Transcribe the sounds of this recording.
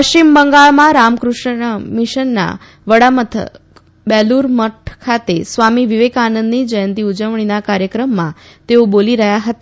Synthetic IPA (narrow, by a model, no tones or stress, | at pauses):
pəʃt͡ʃimbəŋɡaɭmãɾamkɾuʂɳmiʃənːa̰ | ʋəɽamət̪ʰə̰ | bɛluɾməʈʰkʰat̪esʋamiʋiʋekanənd̪nid͡ʒəjənt̪iud͡ʒəʋɳ̃inakaɾjəkɾəmːãt̪eoboliɾəɦjaɦət̪a